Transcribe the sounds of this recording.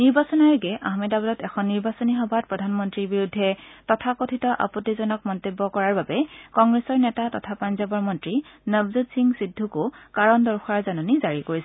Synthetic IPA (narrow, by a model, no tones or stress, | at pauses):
niɹbasɔnaɹɡɛʔa̰ɦmɛdabɔdɔtɛxʰɔnːiɹbasɔniɦɔbʱat̚pɹɔdʱanmɔntɹiɹbiɹudʱːɛtɔtʰakotʰitɔʔa̰pɔtːizɔnɔkmɔntebːɔkɔɹaɹbabɛkɔŋɡɹɛsɔɹnɛtatɔtʰapanzɔbɔɹmɔntɹinəbzutsiŋsidʱːukʊkaɹɔndɔɹxʰaɹzanɔnizaɹikoɹisɛ